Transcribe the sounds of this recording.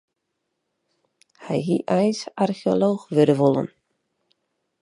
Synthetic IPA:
hɛ̰jɦiʔɛjsarxioloːxʋøɾəʋolˠə̰n

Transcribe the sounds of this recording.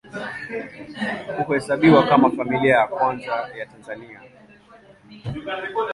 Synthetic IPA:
hukuhɛsaɓiwakamafamiliajakwanzajatanzania

